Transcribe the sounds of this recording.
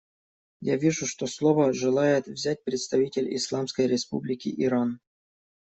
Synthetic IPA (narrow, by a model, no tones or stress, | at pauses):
javʲiʐʊʂt̪oslˠovəʐɨlˠajɪt̪vzʲæt̚ʲpɾʲɪt̪st̪ɐvʲitʲɪlʲḭslˠɑmskəjɾʲɪspṵblʲɪkʲɪ̰ʔiɾan